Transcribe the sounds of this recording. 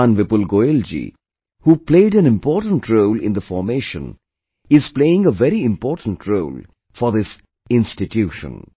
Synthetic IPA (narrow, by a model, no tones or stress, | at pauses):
ãnʋɪpəlɡoɪld͡ʒḭ | huːpleɪɖæ̃nɪ̃mpɔːʈə̃nʈʰɾoʊlɪ̰̃nd̪əfɔɾmeːʃə̰̃n | ɪz̥pleɪɪ̃ŋəʋɛɾiɪ̃mpɔːʈə̃n̩ʈʰɾoːl | fɔɾðɪs | ɪ̃nsʈɪʈʰjuːʃə̰̃n